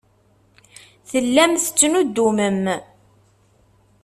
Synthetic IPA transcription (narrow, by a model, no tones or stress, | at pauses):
θəlːæmθə̥t͡sːnud̪ːuməm